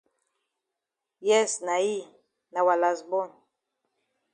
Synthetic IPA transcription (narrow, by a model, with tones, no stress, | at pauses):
jɛ˦sna˨i˦˨ | na˨wa˨la˨sbɔ˦n